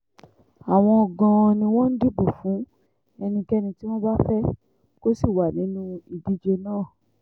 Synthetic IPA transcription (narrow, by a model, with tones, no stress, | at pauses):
a˨w̃ɔ̃˧ɔ˨ɡã˧nĩ˧w̃ɔ̃˦n̩˦di˦bo˨fũ˨˦ | ɛ˧nĩ˧kɛ˦nĩ˧ti˦w̃ɔ̃˦ba˦fɛ˦ | ko˦si˦˨wa˨nĩ˨˦nũ˦i˨di˦d͡ʒe˧nãː˦˨